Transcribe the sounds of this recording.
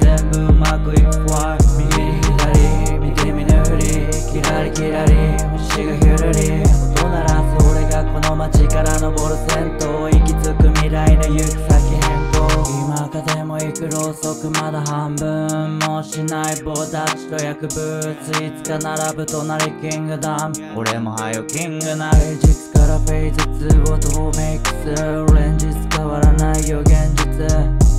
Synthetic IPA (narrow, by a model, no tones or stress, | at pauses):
zẽmbɯ̟makɯikː | amʲiɡiɾihiɾaɾʲimʲiteminɯhɯɾʲi | kʲiɾaɾikʲiɾaɾʲi | ɯɕiɡɯçoɾɯɾʲi | ot̪onaɾazoːɾeɡakono̞mat͡ɕikaɾano̞bo̞ɾɯsẽ̞nt̪oikʲit͡sɨkɯmʲiɾainojɯsakiɦẽnt̪oimakad̪emo̞ikɯ̟ɾo̞so̞kɯ̟mad̪aɦãmbɯ̃mːo̞ɕinaibot̪at͡ɕi̥t̪o̞jakɯ̟bɯt͡sɨit͡sɨ̥kanaɾabɯ̟t̪o̞naɾikʲĩŋɡɯ̟d̪am | oɾemo̞hajokʲĩŋɡɯnad͡ʑikɯ̥kaɾaɸe̞izɨt͡sɨɡot̪oome̞ikɯ̥sɯoɾẽɲd͡ʑit͡sɨ̥kaβaɾanaijo̞ɡẽ̞ɲd͡ʑit͡sɨ